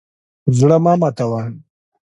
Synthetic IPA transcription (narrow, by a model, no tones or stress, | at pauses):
zɽamaːmat̪awan